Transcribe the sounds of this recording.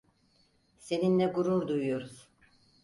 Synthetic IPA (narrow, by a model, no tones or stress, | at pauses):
se̞ninlɛɡuɾuɾd̪ujujoɾuz̥